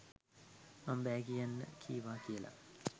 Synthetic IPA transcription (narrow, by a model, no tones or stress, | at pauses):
mambæːɡijanːə̰kʰḭːʋaːkijəla̰